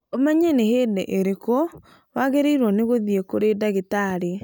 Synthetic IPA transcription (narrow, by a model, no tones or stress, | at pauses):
omaɲɛneheːdɛʔeɾeko | waɣeɾeiɾwɔneɣoðiekoɾedaɣetaːɾe